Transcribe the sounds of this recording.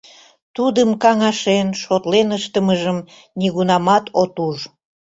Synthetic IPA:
t̪ud̪əmkɑŋɑʃenʃot̪lenəʃt̪əməʒəm | niɣunɑmɑt̪ʰot̪uʒ

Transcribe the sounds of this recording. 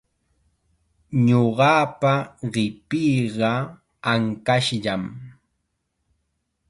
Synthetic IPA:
ɲoɢɑpaɢɪpijɢɑ | aŋkaʃʎam

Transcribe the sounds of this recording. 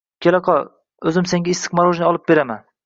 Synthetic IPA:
kʲʰelaqʰɒ | ɵzɪmseŋɡʲaɪst̪ɨqmaɾˠoʒnɪɒlˠɪp̚be̞ɾama̰n

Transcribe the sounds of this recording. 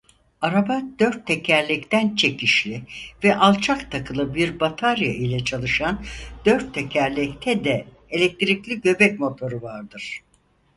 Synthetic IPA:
aɾabad̪̥ø̞ɾt̪ʰːecʰæɾlʲɛct̪ʰænt͡ʃʰe̞cʰiʃlʲivɛʔalˠt͡ʃʰakt̪ʰakʰɯlˠɯbiɾbat̪ʰaɾja̰ʔilʲɛt͡ʃʰalˠɯʃand̪̥øɾt̪ʰːecʰæɾlʲɛct̪ʰɛd̪ɛ | elʲɛk̚t̪ʰiɾiclʲiɟø̞bɛc̚mo̞t̪ʰo̞ɾɯvaɾd̪ɯɾ̥

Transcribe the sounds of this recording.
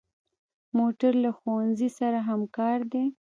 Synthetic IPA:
moʈaɾlaxowanzisaɾaɦamkɑɾd̪e

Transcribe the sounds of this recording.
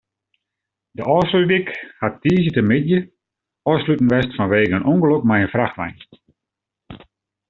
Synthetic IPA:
dəʔɔːslydikhattiːzətəmɪdjə | ɔːslytn̩ʋɛstfɔnʋeːɡəənʔuŋɡəlokmajənfraxʋajn

